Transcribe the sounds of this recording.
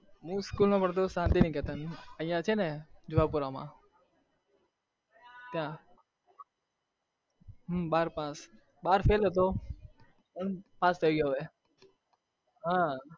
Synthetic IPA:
ɦũːskulnõpəɽt̪̬osãːnt̪iːnĩːkeːt̪anəĩjãt͡ʃʰened͡ʒʊʋapuɾamã̰ː | t̪jã | ɦbaːɾpãːs | ɓaːɾfʰeːlɦət̪̬o | əɳpãːst̪ʰəiɡjoɦe | ɦãː

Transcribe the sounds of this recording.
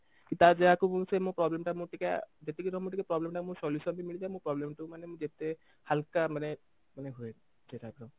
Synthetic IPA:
kit̪ad͡ʒeɦakumũsemũpɾɔblemʈamũʈika̰d͡ʒet̪ekiɾɔmũʈikapɾɔblemʈamũsɔlisɔbimilid͡ʒamũpɾɔblemʈumanemũd͡ʒet̪e | halkamane | maneɦoe | seʈʰaɡɾɔ

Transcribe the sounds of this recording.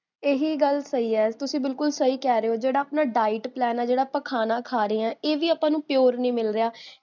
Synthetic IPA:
eːɦiːɡəlsəiːɛːt̪ʊsĩːbɪlkʊlsəɦiːkɛːɾeːoːd͡ʒeːɽaːəpnaːɖaːɪʈplɛːnɛːd͡ʒeːɽaːpəkʰaːnãːkʰaːɾeːɛ̃ːeːʋiːaːpãːnũːpɪjoːɾnĩːmɪlɾɪjaː

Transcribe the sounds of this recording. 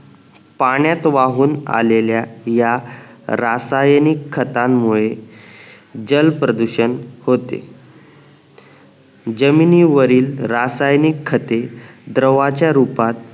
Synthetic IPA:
paɳ̃jat̪ʋaɦuːna̰leljajaɾasajnikʰːət̪amːuɭe | d͡ʑəlpɾəd̪uɕənhot̪ḛ | d͡ʑəminiːʋəɾiːlɾasajnikʰːət̪ed̪ɾəʋat͡ɕjaɾupat̪̚

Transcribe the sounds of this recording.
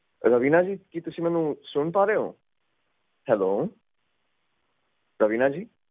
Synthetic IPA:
ɾəʋiːnaːd͡ʒiːkit̪ʊsĩːmɛ̃ːnũːsʊɳpaːɾeːɦo̰ː | hɛloː | ɾəʋiːnaːd͡ʒiː

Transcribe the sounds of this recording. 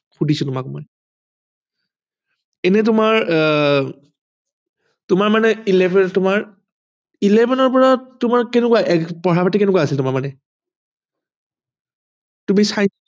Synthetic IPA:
xudʱisɔtʊmakmɔ̰j | ɛnɛt̬ʊmaɹ | tʊmaɹmanɛilɛbɛtʊmaɹ | ilɛbʱɛnɔɹpɔɹatːʊmaɹkɛnɛkwaʔɛpɔɹapatikɛnɛkuaːsiltʊmaɹmanɛ | tumisaj

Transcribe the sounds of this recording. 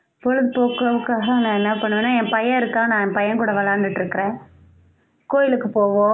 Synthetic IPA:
pɔɻɯðɯpoːkɐʋɯkːaːɣɐnãːɛnːɐpɐɳːɯʋeːnːaːɛ̃mpɐjɐ̃ɪɾɯkːãːnãːɛmpɐjɐ̃nkuːɽɐʋɐlaːɾnd̪ɯʈːɪɾɯkːɪɾẽː | koːjɪlɯkːɯpoːʋõː

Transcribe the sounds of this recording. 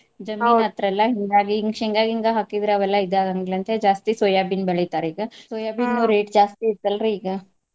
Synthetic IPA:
d͡ʒɐmiːat̪ɾɛlːɐɦiŋɡaːɡiŋiŋɡaːɡiŋɡaɦakːid̪ɾaːʋɛlːaid̪aːɡaŋɡilɐnt̪ed͡ʒaːst̪isoːjaːbinbɐɭit̪aːɾiːɡɐsoːjaːbinnoːɾeːʈd͡ʒaːst̪iit̪̚ːɐlɾeiːɡɐ

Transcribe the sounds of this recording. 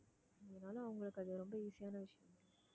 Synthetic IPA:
ɪðɐnaːlɐ̃ɐʋɐŋɡɐɭɯkːɐðɯɾɔmbɐiːsɪjaːnɐʋɪʂɐjɐm

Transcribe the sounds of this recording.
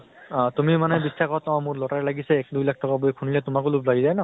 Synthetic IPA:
tumimanɛbisakɔtɔ̃mʊɹlɔtaɹɛlaɡisɛɛk̚dujlak̚ʰtɔkabojkʰunilɛtʊmakʊlublaɡizajnɔ

